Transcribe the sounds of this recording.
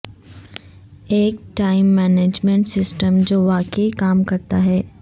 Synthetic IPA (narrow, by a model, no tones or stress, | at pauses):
eːk̚ʈaːɪmːɛːneːd͡ʒmẽɳʈsɪsʈəmd͡ʒoːʋaːkeikaːmkɐɾt̪aɦɛː